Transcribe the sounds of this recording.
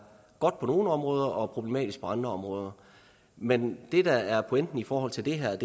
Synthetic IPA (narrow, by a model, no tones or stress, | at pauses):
ɡ̥ɒ̽d̥̚pʰɒ̽no̝ːnəɒ̽mʁɔːð̞ˠɐʔɒ̽pʰʁob̥le̝mɛ̰ːd̥isɡ̥̚pʰɒ̽ɑ̈nd̥ʁɐɒ̽mʁɔ̽ːð̞ˠɐ | mend̥e̝d̥ææɐpʰoen̰d̥n̩ifɒːɦɒ̽l̰t͡sʰe̝ld̥e̝ɦæɐ̰d̥e